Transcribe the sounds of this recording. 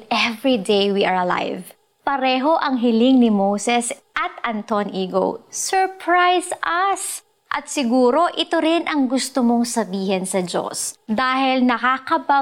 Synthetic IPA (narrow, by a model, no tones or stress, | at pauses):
ʔɛvɹid̪ejwiːʔɐɹɐla̰jv | pɐɾɛːɦo̞ʔɐŋɦɪlɪŋnɪmowsɛsʔɐt̪ʔɐnt̪onʔiːɡo̰wsɛɹpɹajsʔɐs | ʔɐt̪̚sɪɡuːɾo̞ʔɪt̪oɾɪnʔɐŋɡʊst̪omoŋsɐbiːhɛnsɐd͡ʒo̰sd̪aːhɪlnɐkakɐbɐ